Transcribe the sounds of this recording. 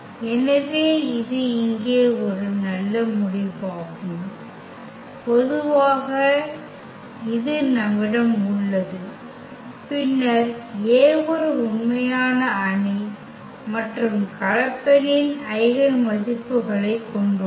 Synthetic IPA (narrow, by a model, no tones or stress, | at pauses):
ɛnɐʋeːɪðɯɪŋɡeːɔɾɯnɐlːɐmʊɽɪʋaːɣɯm | pɔðɯʋaːɣɐ | ɪðɯnɐmːɪɽɐmʊɭːɐðɯ | pɪnːɐɾeːʋɔɾɯʊɳmɐjaːnɐɐɳi | mɐʈrɯmkɐɻɐkːɐɾɪnɐɪɣɐɭmɐðɪpːɯɣɐɭɐɪkːɔɳɖɯ